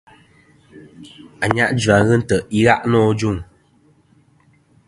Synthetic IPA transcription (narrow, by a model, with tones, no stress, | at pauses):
a˨ɲa˦ʔd͡ʒa˨ɣɨ˦n̩˦tə˨i˦ɣa˦ʔnɔː˦˨d͡ʒu˦˨ŋ